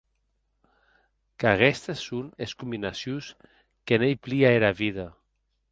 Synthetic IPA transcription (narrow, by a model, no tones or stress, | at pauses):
kaɣɛst̪asːuneskumbinasjus | kenejpliaeɾaβiða